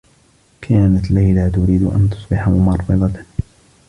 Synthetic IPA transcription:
kʰaːnat̪lajlat̪ʊɾiːd̪ʔa̰nt̪ʊ̥sˤbɪħamʊmɑɾˤfɑd̪ˤɑt̪

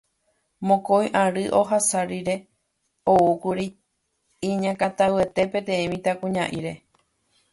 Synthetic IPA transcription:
mõkojʔãɾɨʔo̞ɦasaɾiɾe̞ | oukuɾi | iɲãkat̪awe̞t̪e̞pẽ̞t̪ẽ̞ĩmĩt̪akũɲãʔiɾe̞

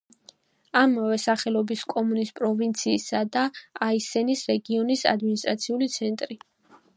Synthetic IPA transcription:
amavɛsaχɛlɔbiskʼɔmunispʼɾɔvint̪sʰiːsad̪aaisɛnisɾɛɡiɔnisa̰d̪minist̪ʼɾat̪sʰiulit̪sʰɛnt̪ʼɾi

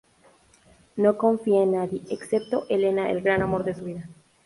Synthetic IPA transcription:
no̞ko̞ɱfiaenːaðje̞ʔekse̞p̚t̪o̞ʔele̞naʔḛlɡɾanamo̞ɾðe̞suβiða

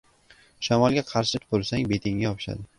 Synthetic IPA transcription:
ʃamɒlˠɡʲaqʰɑɾʃɪt̪ʰʊ̥pʊɾsaŋbe̞t̪ʰɪŋɡʲajɒpʰɪ̥ʃa̰d̪ɪ

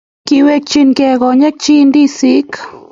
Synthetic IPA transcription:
kiwek̚t͡ʃinkeɡoɲek̚t͡ʃind̪isik

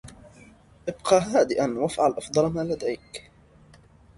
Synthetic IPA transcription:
ʔɪbqɑːɦaːd̪ɪʔanwafʕalʔɑfd̪ˤɑlmaːlad̪ajk

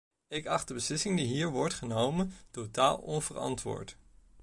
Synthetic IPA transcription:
ɪkɑχd̚dəbəslɪsɪŋdiɦiːɹʋɔɹtχənowməntotaːlˠɔnvərɑ̰ntʋʊ̰ːɹt

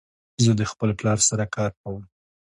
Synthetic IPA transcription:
zəd̪əxpəlplɑɾsaɾakʰɑɾkawəm

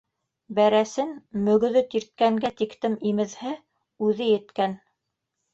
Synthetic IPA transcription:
bæɾæsɘnmɵ̆ɡ̆ðɵt̪iɾt̪̚kæŋɡæt̪ikt̪ɘmimɘ̆ðhɘ | ʉðɘjɘ̆t̪kæn

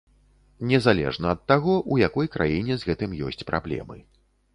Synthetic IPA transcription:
nʲɛzalʲɛ̰ʐnɐːt̪ːaɣɔʔujakɔjkɾʔa̰jinʲɛzɣɛt̪ɨmjɔ̰sʲt͡sʲpɾʔa̰blʲɛ̰mɨ̰

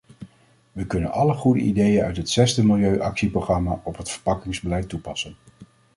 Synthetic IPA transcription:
ʋəkɵnənɑləχudə̰ʔḭdejənœ̰ɥtɦətsɛzdəmɪlˠjøɥʔɑksiproχrɑmaːʔɔpɦətfəɹpɑkɪŋzbəlɛjtːupɑsən

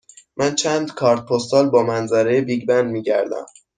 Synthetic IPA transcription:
mænt͡ʃʰænd̪kʰɒːɾt̪̚pʰost̪ɒːlbɒːmænzæɾejebiːɟbænd̪miːɟæɾd̪æ̰m

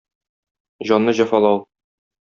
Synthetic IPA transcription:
ʑɒnːɤʑɒfɑlˠɑw

